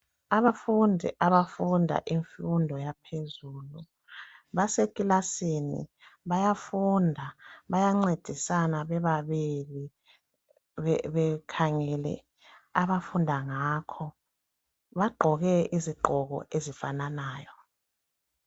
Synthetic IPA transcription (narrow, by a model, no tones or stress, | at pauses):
aβafundʱḭʔaβafundʱa̰ʔiɱfundʱɔjapʰezuːlu | βasekʼilasinḭ | βajafundʱaβajaŋ͡ǀed̥ʱisanaβɛβaβili | ɛβɛkʰaŋɛlɛ̰ | aβafundʱaŋakʰɔ | βaɡ͡ǃʱɔɣɛiziɡ͡ǃʱɔɣɔ̰ʔezifananaːjɔ